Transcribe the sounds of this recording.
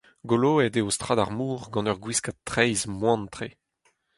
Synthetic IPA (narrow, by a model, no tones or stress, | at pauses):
ɡoloɛdeost̪χadaʁmuːʁɡɑ̃nœʁɡwiskatːχɛjzmwɑ̃nt̪χe